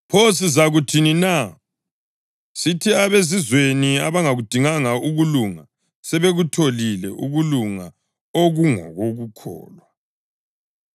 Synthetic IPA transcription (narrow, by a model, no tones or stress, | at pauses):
pʰos̬izaɣutʰinina | sitʰiaβezizweniaβaŋaɣud̥ʱiŋaŋauɣuluŋa | sɛβeɣutʰolilɛ̰ʔṵɣuluŋa | oɣuŋɔ̰ɣoɣukʰɔ̰ːlwa